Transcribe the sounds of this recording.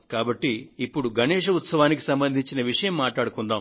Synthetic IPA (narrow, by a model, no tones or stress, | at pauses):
kaːbɐʈːiːpːuɽuɡʱɐnɛːʂ̬ɐut̪sɐʋaːniki̥sɐmbɐnd̪ʱiɲt͡ʃinɐʋiʂɐjɐmːaːʈɭaːɽukund̪aːm